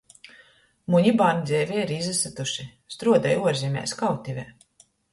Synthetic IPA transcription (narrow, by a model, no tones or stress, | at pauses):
muɲiband̪zʲɛːvʲiɛiɾizasat̪uʃist̪ɾuɔd̪ajuɔɾzʲimʲɛ̰ːskawt̪ʲivʲɛ